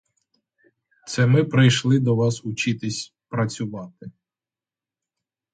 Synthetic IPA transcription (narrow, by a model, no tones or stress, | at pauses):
t̪sɛmɪpɾɪjʃlˠɪd̪ɔʋɑsʊt͡ʃɪt̪ɪsʲ | pɾɐt͡sʲʊʋɑt̪ɪ